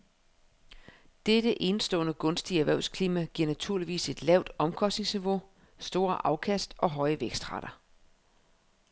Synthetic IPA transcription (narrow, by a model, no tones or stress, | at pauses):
d̥ed̥əʔe̝nsd̥ɔ̰̽ːnəɡ̥ɔ̽nsd̥iæʋæɐʊskʰliːmæɡ̥iɐ̰næt͡sʰuɐliʋḭːse̝d̥lɛʊd̥ɒ̽mkʰɒ̽sd̥ne̝ŋsniʋo̝ | sd̥o̝ːɐʔɑ̈ʊkʰæsd̥ɒ̽ɦɒ̽ɪəʋeɡ̥sd̥ʁɑ̈ɾ̥ɐ